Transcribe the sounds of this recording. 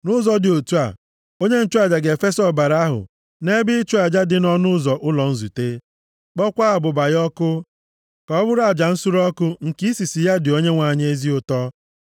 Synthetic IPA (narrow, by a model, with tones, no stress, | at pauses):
nʊ˦zɔ˨dɪ˨o˨tu˦a̰˨ | o˦ɲe˦n̩˦t͡ʃu˦a˨d͡ʒa˨ɡe˨fe˦sɔ˨ba˨ɾa˦ɦʊ̰˨ | ne˦bɪ˦t͡ʃu˦a˨d͡ʒa˦dɪ˨nɔ˦nʊ˦zɔ˨ʔʊ˦lɔ˨n̩˦zu˨te˦ | k͡pɔ˦kʷa˦a˨bʊ˨ba˨jɔ˦kʊ˦ | kɔ˨˦bʊ˦ɾa˦˨d͡ʒa˨n̩˦su˦ɾɔ˦kʊ˦ŋ̩˨ki˦si˨si˨ja˦dɪ˨o˦ɲe˦ŋʷa˨ɲ˦e˦zi˦ʊ˨tɔ˦